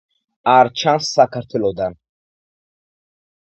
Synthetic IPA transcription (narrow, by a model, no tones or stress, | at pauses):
aɾt͡ʃʰansːakʰaɾt̪ʰɛlɔd̪an